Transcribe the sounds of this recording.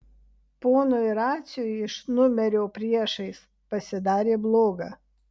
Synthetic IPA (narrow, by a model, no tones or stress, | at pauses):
poːnʊɪɾɑːt̪sʲjʊjɪʃnʊmʲɛɾʲoːpʲɾʲiɛʃɐɪs | pɐsʲɪd̪ɑːɾʲeːblˠoːɡɐ̰